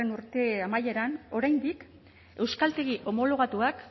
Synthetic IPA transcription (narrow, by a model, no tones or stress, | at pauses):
enuɾt̪e̞amaje̞ɾano̞ɾajnd̪ik | e̞wskalt̪e̞ɣiʔo̞mo̞lo̞ɣat̪uak